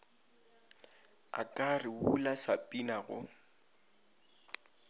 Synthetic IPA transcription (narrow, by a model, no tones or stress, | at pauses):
a̰kʼarɪulasapʼinaɣʊ̰